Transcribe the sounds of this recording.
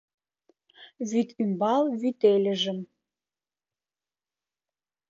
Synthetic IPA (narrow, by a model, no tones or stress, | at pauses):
βyt̪ymbɑlˠvyt̪elʲə̆ʒə̆m